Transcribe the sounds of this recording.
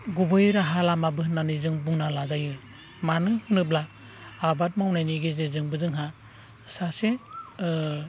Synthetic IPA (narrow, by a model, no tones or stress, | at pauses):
ɡubɯjɾaɦalamabɯɦɯnːanizɯŋbuŋnalazajɯ | manɯhɯnɯblaː | bat̚mawnajniɡezezɯŋbɯzɯŋɦa | sase